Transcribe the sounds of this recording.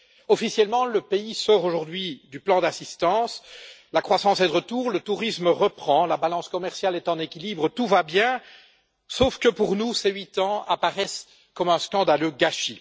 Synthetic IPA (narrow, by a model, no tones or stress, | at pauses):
ɔfisjɛlmɑ̃ləpeisɔʁoʒuʁd̪ɥid̪yplɑ̃d̪asist̪ɑ̃slakχwasɑ̃sɛd̪əʁət̪uːʁlət̪uʁisməʁəpχɑ̃labalɑ̃skɔmɛʁsjalɛt̪ɑ̃nekʲilibʁət̪uvabjɛ̃ | sofkəpuʁnusɛɥit̪ɑ̃a̰paʁɛs | kɔmɛ̃skɑ̃d̪aløɡaʃe